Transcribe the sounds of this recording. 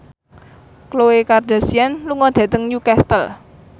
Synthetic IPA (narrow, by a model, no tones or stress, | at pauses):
klowekard̪̥a̤sianluŋɔd̪̥ä̤t̪əŋjukɛst̪əl